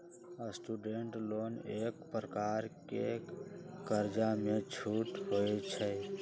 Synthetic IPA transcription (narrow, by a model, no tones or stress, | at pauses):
əsʈuɖeɳʈlonekpɾəkaɾke | kəɾd͡ʒamet͡ʃʰuʈɦojt͡ʃʰə